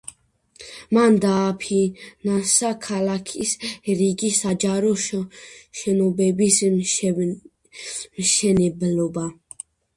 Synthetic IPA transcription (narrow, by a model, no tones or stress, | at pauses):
mand̪aːpʰinansakʰalakʰisɾiɡisad͡ʒaɾɔ | ʃɛnɔbɛbis | mʃɛnɛblɔba